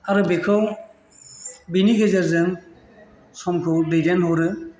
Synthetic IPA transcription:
aɾɯbekʰɯw | biniɡezaɾzɯŋ | sɔmkʰɯwdedenhɔɾɯ

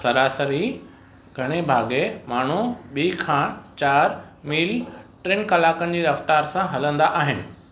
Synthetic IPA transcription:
sɐɾaːsəɾɦi | ɡʱɐɽ̃ebʱaːɡemaːɳ̤uɓiːkʰãːt͡ɕaːɾ | miːlʈɾeːnkɐlaːkənɪ̆d͡ʑeːɾɐft̪aːɾsãɦɐlə̃nd̪aʔaːɦɪnɪ̆

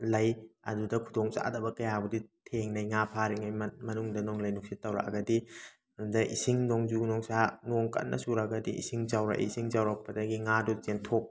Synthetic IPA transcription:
lɐjɐ̰dudɐkʰudoŋt͡ʃa̰dɐbɐkɐjabuditʰeŋnajŋapʰaɾiŋajmmɐnuŋdɐnoŋlɐjnuk̚sitːɐwɾa̰kɐ̰ɡɐdi | ɐdudɐʔisiŋnoŋzunoŋsanoŋkɐ̰n̚nːʔɐ̰suɾaɡɐdiḭsiŋzawɾa̰ʔḭsiŋzawɾak̚pɐdɐɡiŋadut͡ʃentʰok̚

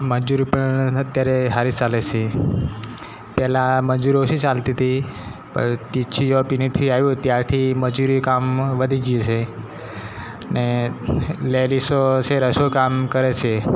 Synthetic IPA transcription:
məd͡ʒuɾipəɳət̪jaɾeɦaɾist͡ʃalet͡ʃʰe | pɛlaməd͡ʒuɾoʃit͡ʃalt̪it̪ʰipə̰ɳt̪it͡ʃʰid͡ʒopinit̪ʰiajũt̪jaɾt̪ʰiməd͡ʒuɾikamʋəd̪ʱid͡ʒijet͡ʃʰe | ne | lelisot͡ʃʰeɾəʃokamkəɾet͡ʃʰe

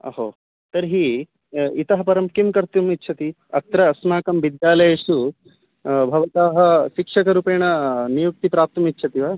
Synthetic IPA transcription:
ɐ̰ɦo̰ː | t̪ɐɾɦi | it̪ɐɦɐpɐɾɐmkimkɐɾt̪jumitːt͡ʃʰɐt̪i | ɐk̚t̪ɾɐːsmaːkɐmʋid̪jaːlɐjɐʂu | bʱɐʋɐt̪aːɦɐʃikʂɐkɐɾuːpeːɳɐnijuk̚t̪ipɾaːp̚t̪ɐmitːt͡ʃʰɐt̪iʋaː

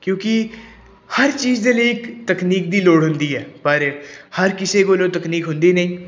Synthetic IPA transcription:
kjõːkɪ | həɾt͡ʃiːzd̪eːləiːɪkt̪əkniːk̚d̪iːloːɽɦʊnd̪iːɦɛːpəɾhəɾkɪseːkoːlõːt̪əkniːkɦʊnd̪iːnəĩː

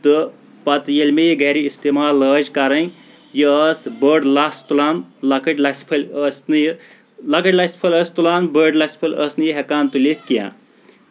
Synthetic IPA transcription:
t̪ɨ | pɐt̪jelʲmejiɡɐːɾiist̪emaːləːd͡ʒkɐɾɐn | jiəːsbəːɖlaːst̪ulaːnlɐkəʈlɐspʰɨlʲəːsnɨj | lɐkəʈʲlaspʰɐlʲəːst̪ulaːnbəːɖlaspʰɨlʲəsnɨjiɦekaːnt̪ulit̪ʰkijã̰ː

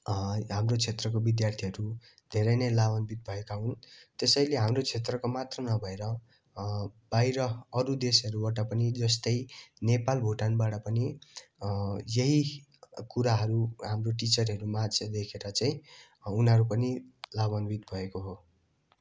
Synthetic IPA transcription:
ɦamrot͡sʰet̪rʌkobid̪jart̪ʰiɦʌɾu | d̪ʱeɾʌjnʌjlabʌnbit̪̚bʱʌekaɦunt̪esʌjleɦamrot͡sʰet̪rʌkomat̪rʌnʌbʱʌeɾʌ | b̥ajɾʌːɾud̪esʌɾubaʈʌpʌnid͡zʌst̪ʌjnepalbʱoʈanbaʈʌpʌni | jeɦi | kuɾaɦʌɾuɦamroʈit͡sʌrɦʌɾumat͡sʰed̪ekʰeɾʌt͡saĩ | unɦʌɾupʌnilabʌnbʱit̪bʱʌekoɦo

